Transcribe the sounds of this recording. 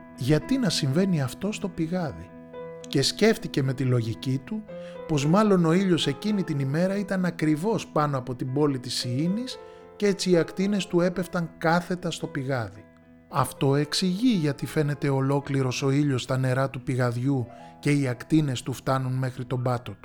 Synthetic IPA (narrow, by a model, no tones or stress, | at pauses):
ʝɐt̪inɐsiɱve̞niɐft̪o̞st̪o̞piɣɐði | ce̞sce̞ft̪ice̞me̞t̪ilo̞ʝicit̪upo̞zmɐlo̞no̞iʎo̞se̞cinit̪inime̞ɾɐit̪ɐnɐkɾivo̞spɐno̞ɐpo̞t̪ibo̞lit̪isiinis | cee̞t͡siːɐkt̪ine̞st̪ue̞pe̞ft̪ɐŋkɐθe̞t̪ɐst̪o̞piɣɐði | ɐft̪o̞e̞ksiʝiʝɐt̪ife̞ne̞t̪e̞o̞lo̞kliɾo̞so̞iʎo̞st̪ɐne̞ɾɐt̪upiɣɐðʝuce̞iɐkt̪ine̞st̪uft̪ɐnunme̞xɾit̪o̞bɐt̪o̞t̪u̥